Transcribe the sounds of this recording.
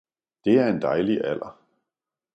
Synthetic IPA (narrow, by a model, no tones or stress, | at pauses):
d̥e̝æɐe̝nd̥ɑ̈ɪliʔæl̰ɐ